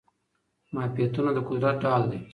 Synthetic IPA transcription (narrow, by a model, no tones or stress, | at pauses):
mapeːt̪unad̪əkʊd̪ɾat̚ɖaːld̪e